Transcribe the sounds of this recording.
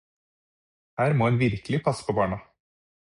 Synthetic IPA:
hæːɾmoːɛːnʋɪɾkəlɪpʰɑsːə̥pʰoːbɑːɳɑ

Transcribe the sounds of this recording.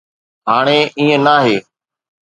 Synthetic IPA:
ɦaːɳ̃eːʔiːə̃naːɦeː

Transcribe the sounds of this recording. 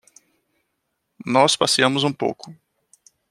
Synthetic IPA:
nɔspasiɐ̃mʊzũpo̰wkʊ

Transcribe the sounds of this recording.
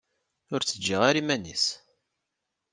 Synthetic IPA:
ʊɾt͡sːəd͡ʒːiʁaɾimænḭs

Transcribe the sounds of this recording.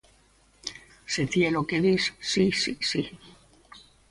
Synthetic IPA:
set̪ielokeðissisisi

